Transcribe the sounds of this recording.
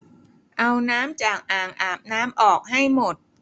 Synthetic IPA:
ʔa˧wnaː˦˥mt͡ɕaː˨˩k̚ʔaː˨˩ŋʔaː˨˩p̚naː˦˥mʔɔː˨˩k̚ɦa˥˩jmo˨˩t̪̚

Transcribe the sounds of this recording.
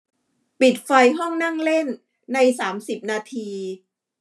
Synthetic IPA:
pi˨˩t̪̚fa˧jɦɔ˥˩ŋna˥˩ŋle˥˩nː | a˧jsaː˩˦msi˨˩p̚naː˧t̪ʰiː˧

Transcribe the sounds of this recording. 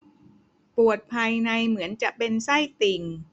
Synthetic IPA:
pu˨˩ət̪̚pʰa˧jna˧jmɯ˩˦ənt͡ɕa˨˩ʔpe˧nsa˥˩jt̪i˨˧˩ŋ

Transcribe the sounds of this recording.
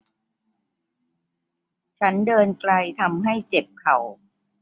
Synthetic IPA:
t͡ɕʰa˦˥ndɤː˧nkla˧jt̪ʰa˧mɦa˥˩jt͡ɕe˨˩p̚kʰa˨˩w

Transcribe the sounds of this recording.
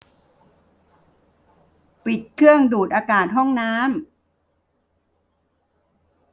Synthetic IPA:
pi˨˩t̪̚kʰɯ˥˩əŋduː˨˩t̪̚ʔaː˧kaː˨˩t̪̚ɦɔ˥˩ŋnaː˦˥m

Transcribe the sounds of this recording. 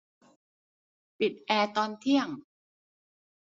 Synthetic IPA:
pi˨˩t̪̚ʔɛː˧t̪ɔː˧nt̪ʰi˥˩əŋ

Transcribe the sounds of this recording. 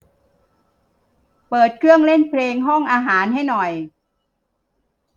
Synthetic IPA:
pɤː˨˩t̪̚kʰɾɯ˥˩əŋle˥˩npʰleː˧ŋɦɔ˥˩ŋʔaː˧ɦaː˩˦nɦa˥˩jnɔ˨˩j

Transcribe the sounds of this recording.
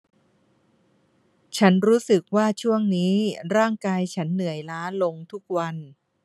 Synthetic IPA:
t͡ɕʰa˦˥nɾuː˦˥sɯ˨˩k̚waː˥˩t͡ɕʰu˥˩əŋniː˦˥ɾaː˥˩ŋkaː˧jt͡ɕʰa˦˥nːɯ˨˩˦əjlaː˦˥lo˧ŋt̪ʰu˦˥k̚wa˧n

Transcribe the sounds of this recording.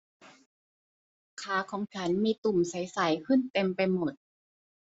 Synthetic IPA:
kʰaː˩˦kʰɔː˩˦ŋt͡ɕʰa˦˥nmiː˧t̪u˨˩msa˨˦jsa˨˩˦jkʰɯ˥˩˨nt̪e˧mpa˧jmo˨˩t̪̚

